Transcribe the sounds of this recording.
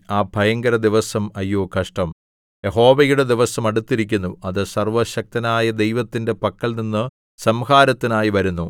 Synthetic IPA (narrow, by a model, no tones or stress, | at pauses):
aːbʱɐjɐŋɡɐɾɐd̪iʋɐsɐmɐjːoːkɐʂʈɐm | je̞ɦo̞ːʋɐjuɽe̞d̪iʋɐsɐmɐɽut̪ːiɾikʲːunːuɐðɨsɐrʋɐɕɐk̚t̪ɐnaːjɐd̪e̞jʋɐt̪ːinde̞pɐkːɐɭninːɨ | sɐmhaːɾɐt̪ːinaːjiʋɐɾunːu